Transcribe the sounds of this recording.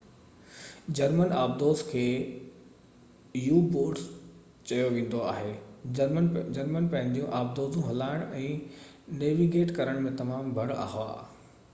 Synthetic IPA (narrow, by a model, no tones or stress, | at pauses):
d͡ʑɐɾmənaːb̚d̪oːzkʰeː | juːboːɾʈ | t͡ɕɐjoʋẽːn̆d̪oa̰ːɦeːənd͡ʑɐɾmənpɐ̃ɦɪ̃ɲd̪ijũʔaːb̚d̪oːzũɦɐlaːɪɽ̃ʔɛ̃ː | neːʋiɡeːʈkɐɾəɽ̃mẽt̪ɐmaːmbʱɐɽa̰ːɦʋa̰ː